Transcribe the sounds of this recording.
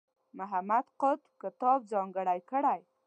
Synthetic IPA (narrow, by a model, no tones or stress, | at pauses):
mʊɦamad̪qʊt̪kɪt̪ɑb̚zɑŋɡəɽajkəɽaj